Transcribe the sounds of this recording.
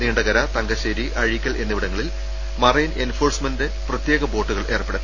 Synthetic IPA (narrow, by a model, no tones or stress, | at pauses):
niːɳɖɐɣɐɾɐt̪ɐŋɡɐɕeɾiʔɐɻikʲːɐɭʔe̞nːiʋiɽɐŋːɐɭil | mɐrɐjine̞nfo̞ːrsmɐnddeprɐt̪jeːɣɐbo̞ːʈːuɣɐɭʔeːrpːeɽɐ